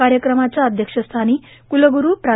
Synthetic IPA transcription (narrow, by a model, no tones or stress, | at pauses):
aɾjəkɾəmat͡sjaəd̪ʱjəkʂəst̪ʰaniː | kuləɡuɾuːpɾa